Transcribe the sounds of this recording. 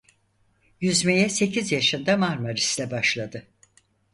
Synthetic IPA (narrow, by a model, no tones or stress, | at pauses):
jyzmejɛse̞cʰizjaʃɯnd̪amaɾmaɾislʲɛbaʃlˠad̪ɯ